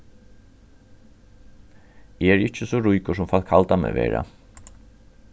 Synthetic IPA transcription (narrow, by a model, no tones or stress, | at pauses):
ɛɛɾɪt͡ʃəsɔɹʊjkʊʂ̬ʊmfalkʰalt̪amɛ̰ʋḛːɹa̰